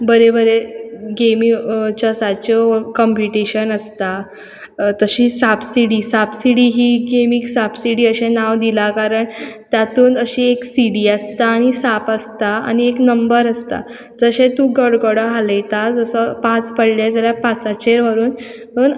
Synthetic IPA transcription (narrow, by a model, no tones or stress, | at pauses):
bəɾebəɾeɡemit͡ɕəsat͡ɕekɔmpiʈiɕənəst̪a | t̪əɕiːsabsiɽiːsabsiɽiɦiːɡemiːksabsiɽiːəɕẽnaʋd̪ilakaɾəɳt̪jat̪uːnəɕieksiɽiast̪aːɽ̃isapəst̪aa̰ñieknəmbəɾəst̪a̰ | d͡zəɕẽt̪ũɡəɽɡɔɽəɦaləjt̪ad͡zəsəpãt͡spəɽled͡zəljapat͡sat͡ɕeɾʋəɾuːn | ɦən